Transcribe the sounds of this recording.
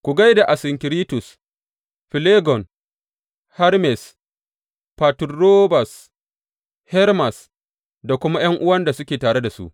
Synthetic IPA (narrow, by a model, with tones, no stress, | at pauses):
kʷu˨ɡa˦jda˨ʔa˨sɪ˨ŋkʲɪ˨ɾiː˦tʊ˨s | ɸɪ˨leː˦ɡɔ˨n | ha˦ɾmɛ˨s | pa˨tʊː˨o˦ba˨s | hɛ˦ɾma˨s | da˨kʷʊ˦ma˦j̰ɐ˦ŋʔʊ˦wɐ˦nda˨sʊ˦kʲeː˨taː˨ɽe˦da˨sṵ˦ʔ